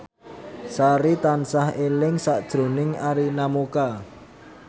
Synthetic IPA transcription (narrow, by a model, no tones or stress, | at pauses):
saɾit̪ansahelɪŋsaʔd̥ʒ̥ɾo̤nɪŋaɾinamoka